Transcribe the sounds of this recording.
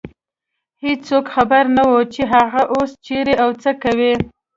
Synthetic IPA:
hed͡ʒsokxabaɾnawot͡ʃeɦaɣaʔost͡ʃeɾeawt͡səkawi

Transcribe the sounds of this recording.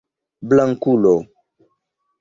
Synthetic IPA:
blaŋkulo

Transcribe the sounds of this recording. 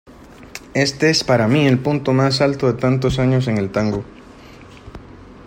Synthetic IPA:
e̞st̪eespaɾamie̞lpunt̪o̞mas̬alt̪oðe̞t̪ant̪̬o̞s̬aɲo̞s̬e̞ŋe̞lt̪aŋɡo

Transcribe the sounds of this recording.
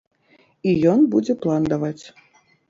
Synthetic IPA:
ijɔnbud͡zʲɛplˠand̪avat͡sʲ

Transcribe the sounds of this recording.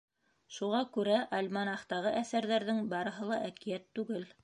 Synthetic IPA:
ʃuʁɑkʉɾæʔɑlʲmɑnɑχt̪ɑʁɤʔæθæɾðæɾðɘŋbɑɾɤ̆ɦɤlˠɑʔækijæt̪ːʉɡɘl

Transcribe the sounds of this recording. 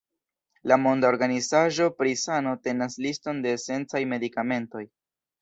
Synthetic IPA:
lamo̞ndao̞ɾɡanizaʒo̞pɾisano̞te̞naslisto̞nde̞ːse̞nt͡sajme̞dikame̞nto̞j

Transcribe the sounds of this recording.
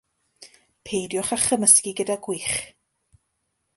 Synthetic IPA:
pʰejdjɔχaχəməskiɡədaɡwiχ

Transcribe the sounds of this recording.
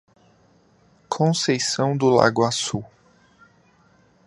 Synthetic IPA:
kʰõsejsɐ̃w̃d̪ʊla̰ɡʊasu

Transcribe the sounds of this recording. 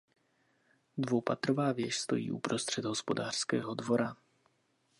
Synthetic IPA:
dvowpat̪ɾovaːvjɛʃst̪o̞̰jḭːʔupɾo̞st̪r̝̥ɛd̪ɦospo̞daːr̥skɛ̰ːɦodvo̞ɾa

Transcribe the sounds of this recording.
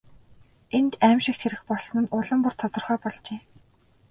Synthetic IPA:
ent̪æmʃɪ̆k̚t̪xeɾɘ̆xpɔɮsnɘ̆nʊɮə̆mpur̥t̪ʰɔt̪ɞ̆rχœːpɔɮt͡ɕeː

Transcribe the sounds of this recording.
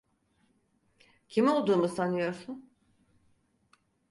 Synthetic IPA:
cʰimo̞lˠd̪uːmusanɯjo̞ɾsun

